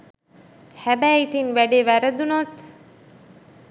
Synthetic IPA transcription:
hæbæːit̪inʋæɖeːʋæɾəd̪unot̪

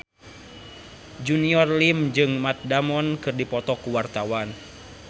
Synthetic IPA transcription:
d͡ʒuniɔrlimd͡ʒɨŋmat̪̚damɔnkɨrdipɔt̪ɔkuwart̪awan

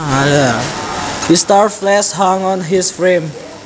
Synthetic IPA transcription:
al | histaɹflɛsɦãŋɔ̃nɦisfɹẽm

